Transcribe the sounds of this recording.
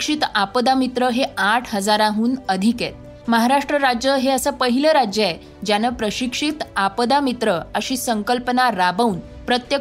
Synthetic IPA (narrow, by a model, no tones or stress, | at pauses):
kʂit̪apəd̪amit̪ɾəɦeaʈʰɦəd͡zaɾaɦuːnəd̪ʱiket̪̚ | məɦaɾaʂʈɾəɾad͡ʑjəɦeəsəpəɦiləɾad͡ʑja | d͡ʑjanəpɾəɕikʂit̪apəd̪amit̪ɾəəɕiːsəŋkəlpənaɾabəuːn | pɾət̪jə